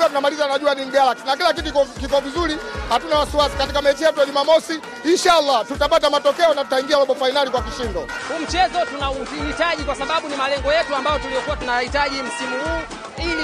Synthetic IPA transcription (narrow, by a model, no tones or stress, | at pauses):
atunamalizanaʄuaniniɡalaksnakilak̬it̬ukkikɔvizuɾihatunawasiwasi̥katikamɛt͡ʃijɛtujaʄumamɔsi | iʃaalːatutapatamatɔkɛɔnatu̥taiŋɡialɔɓɔfainalikwakiʃindɔhum̩t͡ʃɛzɔtunauhitaʄikwasaɓaɓunimalɛŋɡɔjɛtuambajɔtulijɔkuwatunajahitaʄim̩simuhuː